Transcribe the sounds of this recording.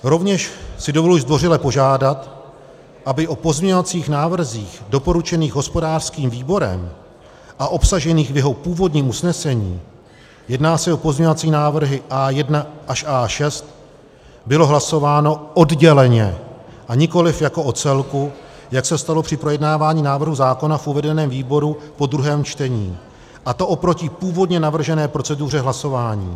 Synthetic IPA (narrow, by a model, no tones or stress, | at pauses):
ɾo̞vɲɛʃsɪdovoluzd̪vo̞rɪlɛpo̞ʒaːdat̪ | ʔabɪʔo̞po̞zmɲovat͡siːxnaːvr̩ziːxdo̞po̞ɾut͡ʃɛniːɣɦo̞spo̞daːr̥skiːmviːbo̞ɾɛ̰m | ʔaʔo̞psaʒɛniːxvjɛɦo̞puːvo̞dɲiːmusnɛsɛɲḭː | jɛdnaːsɛo̞po̞zɲɛovat͡siːnaːvr̩ɦɪʔaːjɛdnaʔaʃʔaːʃɛst̪ | bɪlo̞ɦlaso̞vaːno̞ʔodɟɛlɛɲɛʔaɲɪko̞lɪfjako̞ʔo̞t͡sɛlku | jaksɛst̪alo̞pr̝̥ɪpɾo̞jɛdnaːvaːɲiːnaːvr̩ɦuzaːko̞nafʔuvɛdɛnɛːmviːbo̞ɾupo̞d̪ɾuɦɛːmt͡ʃt̪ɛɲḭː | ʔat̪o̞ʔo̞pɾo̞cɪpuːvo̞dɲɛnavr̩ʒɛnɛːpɾot͡sɛduːr̝ɛɦlaso̞vaːɲḭː